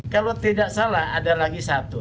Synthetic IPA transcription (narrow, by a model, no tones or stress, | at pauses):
kalot̪idaksalahadalaɡisat̪u